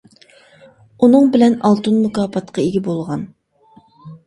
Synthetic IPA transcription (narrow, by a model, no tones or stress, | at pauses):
unɨŋbɪlɛnɑlˠt̪unmukɑːpʰɑt̪qʰɑeɡʲɪbolˠʁɑn